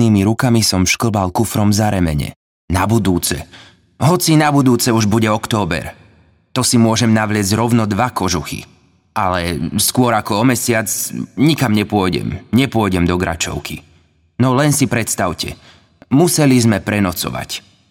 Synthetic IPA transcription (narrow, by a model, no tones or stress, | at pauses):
niːmiɾukamisɔmʃkl̩balkufɾɔmzaɾɛmɛɲɛ̰ | nabud̪uːt͡sɛ̰ | ɦɔt͡sinabud̪uːt͡sɛuʒbuɟɛɔkt̪ɔːbɛ̰ɾ | t̪ɔsimʊɔʒɛmnaʋlɪɛzɟɾɔʊnɔd̪ʋakɔʒuxḭ | alɛskʊɔɾakɔɔmɛsɪat͡sɲikamɲɛpʊɔjɟɛ̰mɲɛpʊɔjɟɛmd̪ɔɡɾa̰t͡ʃɔ̰ʊkḭ | nɔlɛnsipɾɛt̪st̪aʊcɛ̰ | musɛlizmɛpɾɛnɔt͡sɔ̰ʋa̰c